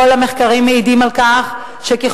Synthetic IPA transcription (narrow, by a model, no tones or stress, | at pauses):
olhameχkaʁimːeidimalkaχ | ʃekiχ